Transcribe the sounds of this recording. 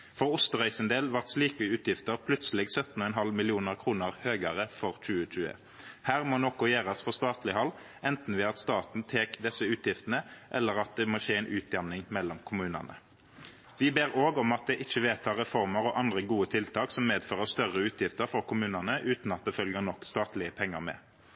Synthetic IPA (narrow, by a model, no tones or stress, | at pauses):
fɔʁʊst̪əʁœʏsənd̪eːlʋɑʁt̪sliːkʋɪʉːt̪jɪft̪əʁpʰlʉt̪səl̩ɛɡsœt̪ːn̩ɔːɛnɦɑlmɪlɪuːnəʁkʰʁuːnəʁhøːɡəʁəfɔʁc͡çʉːəɕʉːə̰ | hæːʁmoːnɔkʊjeːʁɑsfɔst̪ɑːt̪lɪhɑlː | ʔɛnt̪n̩ʋɪɑt̪st̪ɑːt̪n̩t̪ʰeːkd̪ɛsːəʉːt̪ʰjɪft̪ənəʔɛlːəʁɑt̪̚d̪ɛmoːʃeːɛɪnʔʉːt̪̚d̪ɑnnɪŋmɛlːɔmkʰʊmʉːnə̰nə̰ | ʋɪbeːʁoːɡɔmɑt̪̚d̪ɛʔɪçːəʋeːt̪ʰɑːʁɛfɔʁməɾɔʔɑnd̪ʁəɡuːət̪ʰɪlt̪ʰɑːksɔmmeːd̪føːʁəʁst̪œʁəʉːt̪ʰjɪft̪əɾfɔʁkʰʊmʉːnənəʔʉːt̪n̩ɑt̪̚d̪ɛfœlɡəʁnɔkːst̪ɑːt̪lɪəpʰɛŋːə̰ʁmɛ̰